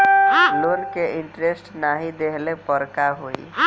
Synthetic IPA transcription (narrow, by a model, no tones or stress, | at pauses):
loɾkeʔɪ̃ɳʈɾesʈnaɦid̪eɦlepəɾkaɦoḭ